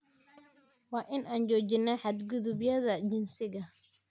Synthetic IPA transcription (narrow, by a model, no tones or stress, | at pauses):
wɑːʔɪnʔaːnd͡ʒɔːd͡ʒɪnːɛħad̪ɡʊðʊbjɐðɐd͡ʒɪnsɪɣɐ